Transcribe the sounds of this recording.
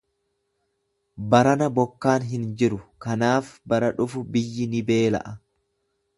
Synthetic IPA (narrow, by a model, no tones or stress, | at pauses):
bɐɾɐnɐbɔkːaːnɦɪnd͡ʒɪɾʊkɐnaːfbɐɾɐᶑʊfʊbɪjːɪnɪbe̞ːlɐ̰ʔɐ